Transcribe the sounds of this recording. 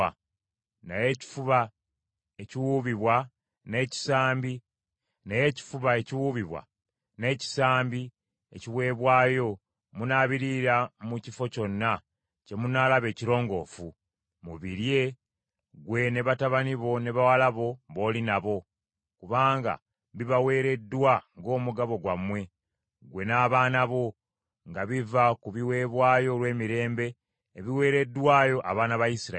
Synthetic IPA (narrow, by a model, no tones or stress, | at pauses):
a | naje̞ːci̥fuβa | e̞ciwuːβiβwa | ne̞ːci̥saːmbi | naje̞ːci̥fuβae̞ciwuːβiβwa̰ | ne̞ːci̥saːmbi | ḛciβwe̞ːβwaːjo̞ | munaːβiɾiɾamucifo̞co̞nːa | ce̞munaːlaβe̞ːciɾo̞ːŋɡo̞fu | muβiɾje̞ | ɡwe̞ne̞βataβaniβo̞ne̞βawalaβo̞βo̞ːlinaβo̞ | kuβaːŋɡa̰ | βiβawe̞ːɾe̞dːwaŋɡo̞ːmuɡaβo̞ɡwamwe̞ | ɡwe̞naːβaːnaβo̞ | ŋɡaβivakuβiwe̞ːβwaːjo̞lwe̞ːmiɾe̞ːmbe̞ː | βiwe̞ːɾe̞dːwaːjo̞ʔa̰βaːnaβajisiɾa